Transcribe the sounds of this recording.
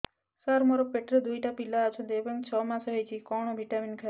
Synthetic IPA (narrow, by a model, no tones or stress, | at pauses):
saɾmɔɾɔk̚peʈɾed̪ujʈapilaːt͡ʃʰɔ̃d̪ebəŋt͡ʃʰɔmasɦəjt͡ʃʰikɔɽ̃obʱiʈaminkʰa